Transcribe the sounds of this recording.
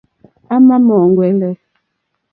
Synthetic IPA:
a˦ma˦mɔ˨ŋɡwɛ˨˦lɛ˦

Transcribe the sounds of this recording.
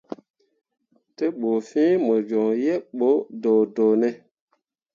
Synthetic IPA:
te˦ɓo˨fĩː˦mə˨d͡ʒɔ˨ŋjɛ˦ɓo˨˦do˨do˨nɛ˦

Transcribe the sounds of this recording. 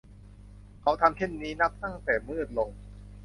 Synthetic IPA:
kʰa˦˥wt̪ʰa˧mt͡ɕ̪ʰe˥˩nːiː˦˥na˦˥p̚t̪a˥˩ŋt̪ɛː˨˩mɯː˥˩ət̪̚lo˧ŋ

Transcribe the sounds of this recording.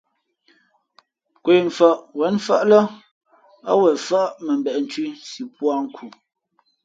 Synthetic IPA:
kwe˨ɱ˨fa˨ʔwɛ˨˦nfa̰˦˨ʔlə˦ | a̰˦wɛ˨fa˦ʔʔmə˨m˨bɛ˨ʔn̩˨tɥi˦si˨pwa˦ŋ̩˦kʰu˨

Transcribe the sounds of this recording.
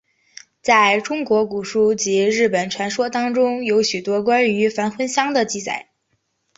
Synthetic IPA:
t͡sa˥˩ɪʈ͡ʂʊ˥ŋkwɔ˧˥ku˨˩ʂu˥t͡ɕi˧˥ɻɻ̩˥˩pə˨˩nʈ͡ʂʰwa˧˥nʂwɔ˥t̪ɑ˥ŋʈ͡ʂʊ˥ŋjo˧˥ʊɕy˨˩t̪wɔ˥kwa˥ny˧˥fa˧˥nxwə˥nɕjɑ˥ŋd̪ə˨t͡ɕi˥˩t͡sa̰˨˩˦ɪ

